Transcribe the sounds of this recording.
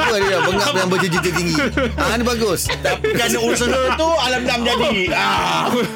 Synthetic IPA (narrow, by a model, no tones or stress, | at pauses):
uadəjabəŋap̚jaŋbəd͡ʒəd͡ʒit̪it̪iŋɡianibaɡʊst̪apikanəusəɦət̪ualam̚damd͡ʒadia